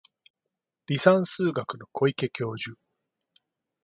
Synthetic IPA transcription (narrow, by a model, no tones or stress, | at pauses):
ɾʲisãɰ̃sɨːɡakɯ̟no̞kʰo̞ike̞kʲo̞ːʑɨ